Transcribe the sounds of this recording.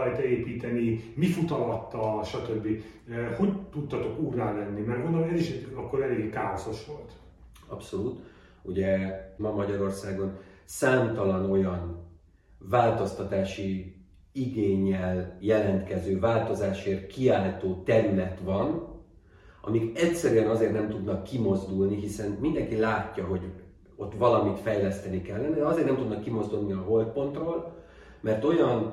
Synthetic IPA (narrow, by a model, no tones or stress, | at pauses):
ɛjt̪ɛeːpiːt̪ɛnimifut̪ɒlɒt̪ːɒlʃɒt̪øbːiho̞ɟt̪ut̪ːɒt̪o̞kuːrːaːlɛnːimɛrɡond̪olɛziʃɛɒkːoɾɛleːɡkaːoso̞ʃʋo̞lt̪ | ɒ̰pso̞luːt̪ | uɟɛmɒmɒɟɒɾo̞rsaːɡo̞n | saːmt̪ɒlɒno̞jɒn | vaːlt̪o̞st̪ɒt̪aːʃi | iɡeːɲːɛljɛlɛnt̪kɛzøːvaːlt̪o̞zaːʃeːrkiaːlt̪oːt̪ɛɾylɛt̪ʋɒn | ʔɒ̰miɡɛcsɛɾyɛnɒzeːrt̪nɛmt̪ud̪nɒkːimo̞zd̪ulniɦisɛnmind̪ɛŋkilaːcːɒɦo̞ɟ | o̞t̪ːʋɒlɒmit̪fɛjlɛst̪ɛnikɛlːɛnɛɒzeːrnɛmt̪ud̪nɒkːimo̞zd̪ulniɒɦo̞lt̪̚po̞nt̪roːl | mɛrt̪o̞jɒn